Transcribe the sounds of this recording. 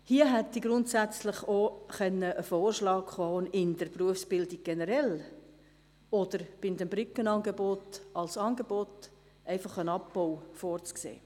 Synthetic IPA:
hiəɦɛtd̥iɡɾʊntsæt͡slɪχoχɛnːəʔəfoːrʃlɑːkχɔːnɪnd̥əɾpruəfsb̥ɪldiɡ̥̚ɡ̥ɛnəɾɛl | ɔd̥̪əɾb̥ɪnd̪ɛmbɾʏkːənɑnɡebɔtɑlsɑːnɡebɔt | ʔɛɪfɑχənɑpːɔwfɔːɾt͡sksḛː

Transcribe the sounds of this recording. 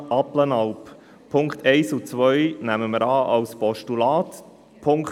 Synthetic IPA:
ɑplənɑwp | pʰʊŋkt̪ʰɛɪsut͡sʋœjnæməməɾɑːʔɑwspɔʃtulɑːt | pʰʊŋk

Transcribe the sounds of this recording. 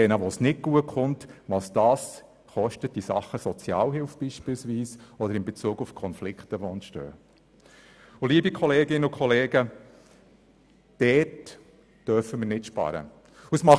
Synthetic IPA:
ɛnəʋosnɪt̚ɡ̥uətχʊntʋɑsd̥ɑːs | χɔʃtət̚d̥isɑ̰χːəsɔt͡sjɑ̰ːlhɪlfb̥iːʃpɪlsʋiːsɔd̪əɾɪmbet͡suːɡufkʰɔnflɪkχtəʋoɛnʃtø̰ː | uliːəbikʰɔleːɡɪnːəʊkʰχɔleːɡə | d̥ɛt | d̥œɾfəməɾnɪtʃpɑ̰ɾə̰ | usmɑ

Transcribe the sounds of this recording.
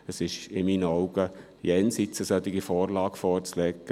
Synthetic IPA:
əsɪʃɪmiːnɔʊɡə | jɛnsɪt͡səsœt̪ɪɡifɔːɾlɑːɡ̥fɔːɾt͡slɛkːə

